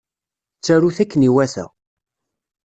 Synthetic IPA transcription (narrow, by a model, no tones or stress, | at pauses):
t͡sːæɾuθækːəniwæθæ̰